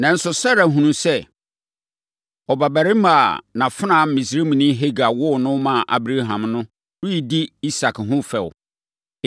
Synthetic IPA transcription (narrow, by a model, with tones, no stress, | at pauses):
nã˨n̩˦sʊ˨sa˦ɾa˨ɦũ˨nũ˦sɛ˦ | ɔ˨ba˨bæ˨ɾɪ˦ma˨nã˨fɪ˦ã˨m̩˦mĩ˨s̬ɾe˦mĩ˨nĩ˦ɦe˦ɡa˨wʊ˦˨nʊ̃˦mã˨ʔa̰˨bɾa˦ɦã˨mnʊ̃˦ | ɾu˦i˨di˦i˦sa˨kʰɦʊ̃˦fɛ˨w